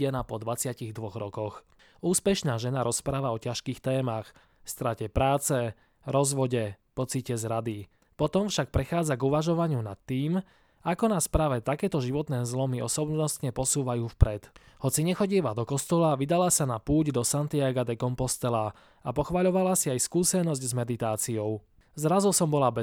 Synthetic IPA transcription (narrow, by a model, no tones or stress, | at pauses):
ɛnapɔd̪ʋat͡sɪaciɣd̪ʋɔɣɾɔkɔx | uːspɛʃnaːʒɛnaɾɔspɾaːʋaɔcaʃkiːxt̪ɛːmax | fst̪ɾacɛpɾaːt͡sɛ | ɾɔzʋɔɟɛpɔt͡sicɛzɾad̪i | pɔt̪ɔmfʃak̚pɾɛxaːd͡zaɡuʋaʒɔʋaɲɪuna̰t̪ːiːm | akɔnaːspɾaːʋɛt̪akɛːt̪ɔʒiʋɔt̪nɛːzlɔmiɔ̰sɔbnɔst̪ɲɛpɔsuːʋajuːfpɾɛt̪hɔt͡siɲɛxɔɟiɛʋad̪ɔkɔst̪ɔlaʋid̪alasanapuːɟd̪ɔsant̪iaɡad̪ɛkɔmpɔst̪ɛla | apɔxʋaʎɔʋalasiajskuːsɛnɔzɟzmɛd̪it̪aːt͡siɔʊ | zɾazusɔmbɔlabɛ